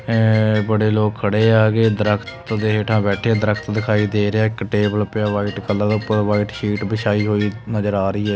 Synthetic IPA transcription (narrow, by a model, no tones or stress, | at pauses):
bəɽeːloːkʰːəɽeːaːɡeːd̪əɾəkʰt̪d̪eːɦeːʈʰãːbɛːʈʰeaːd̪əɾəkʰt̪d̪ɪkʰaːiːd̪eːɾeaːɪkʈeːbəlpɪjaːʋaːiːʈkəlːãːd̪aʊpːəɾd̪ːʋaːiːʈʃiːʈbɪʃaːiːɦoːiːnəzəɾaːɾəiːɛː